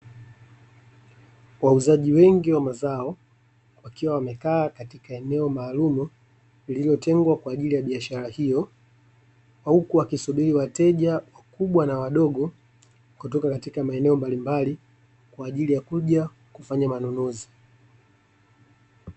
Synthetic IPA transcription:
wauzaʄiwɛŋɡiwamazaɔ | wakiwawamɛkaːkatikaɛnɛɔmaːlumu | liliilɔtɛŋɡwakwaːʄilijaɓiaʃaɾahijɔ | wahukuwakisuɓiɾiwatɛʄawakuɓwanawaɗɔɠɔ | kutɔkakatikamaɛnɛɔmbalimbali | kwaːʄilijakuʄa | kufaɲamanɔnɔzi

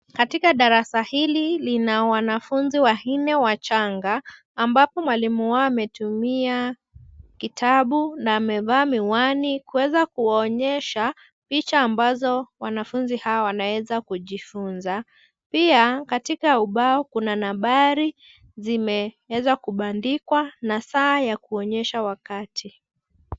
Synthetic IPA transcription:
katikaɗaɾasahililinawanafunziwahinɛwat͡ʃaŋɡaː | mbapɔmwalimuwaamɛtumia | kitʰaɓunaːmɛvaːmiwanikuwɛzakuwaɔɲɛʃa | pit͡ʃaːmbazɔwanafunzihawawanawɛzakuʄifunza | piakatikauɓaɔkunanaɓaɾi | zimɛwɛzakuɓandikwanasaːjakuɔɲɛʃawakatʰi

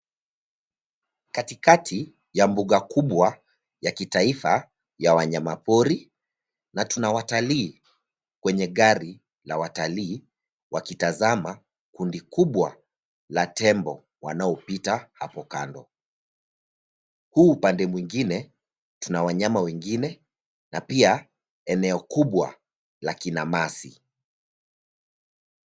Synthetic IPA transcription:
katikatʰi | jambuɠakuɓwa | jakitaifa | jawaɲamapɔɾi | natunawataliː | kwɛɲɛɠaɾi | lawataliː | wakitazama | kundikuɓwa | latɛmbɔ | wanaɔpitahapɔka̰ndɔ | huːpandɛmwiŋɡinɛ | tunawaɲamawɛŋɡinɛ | napia | ɛnɛɔkuɓwa̰ | lakinamasḭ

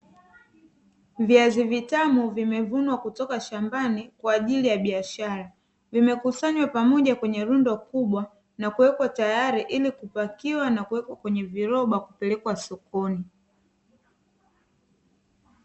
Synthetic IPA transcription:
viazivitamuvimɛvunwakutɔkaʃambanikwaːʄilijaɓiaʃaɾa | vimɛkusaɲwapamɔʄakwɛɲɛɾundɔkuɓwa | nakuwɛkwatajaɾiʔilikupakiwanakuwɛkwakwɛɲɛviɾɔɓakupɛlɛkwasɔkɔni

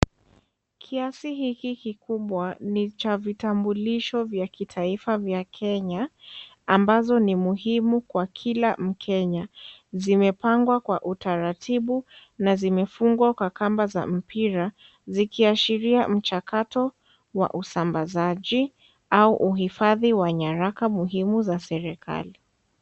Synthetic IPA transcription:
kʰiasiɦikikikuɓwanit͡ʃavitambuliʃɔvjakitʰaifavjakʰɛɲa | ambazɔnimuɦimukwakʰilam̩kʰɛɲazimɛpaŋɡwakwaʔutaɾatʰiɓu | nazimɛfuŋɡwakwakambaza̰m̩piɾa | zikiaʃiɾiam̩t͡ʃakatɔ | wa̰ʔusambazaʄi | auʔuɦifaðiwaɲaɾakamuɦimuzasɛɾɛkʰa̰li

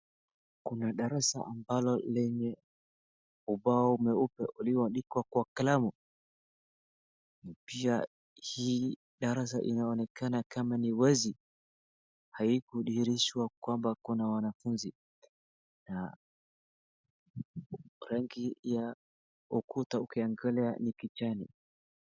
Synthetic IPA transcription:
kunaɗaɾasa̰ʔambalɔlɛɲɛ | uɓaɔumɛupɛʔuliwanɗikwakwakalamu | pia | hiː | ɗaɾas̬a̰ʔḭnaɔnɛkanakamaniwɛzi | haikuɗiɾiʃwakwambakɔnawanafunzi | na | ɾaŋɡija | ukutaukiaŋɡalɛanikit͡ʃanḭ

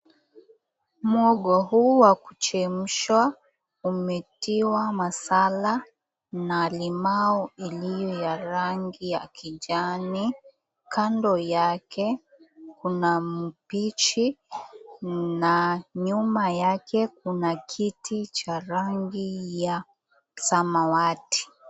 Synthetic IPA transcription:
mɔɡɔhuwaku̥t͡ʃɛm̩ʃwa | umɛtiwamasala | nalimaɔilijɔjaɾaŋɡijakʰid͡ʒani | kandɔjakɛ | kunam̩pit͡ʃi | naɲumajakɛk̚unakʰitʰit͡ʃaɾaŋɡija | samawati̥

